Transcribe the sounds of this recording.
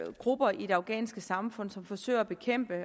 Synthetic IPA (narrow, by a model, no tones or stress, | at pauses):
ɡ̥ʁub̥ɐid̥e̝ɑ̈ʊɡ̥ɛ̰ːnsɡ̥əsɑ̈mfɔ̽n̰sɒ̽mfɒ̽sø̰ɪ̰ɐːb̥e̝kʰem̰b̥ə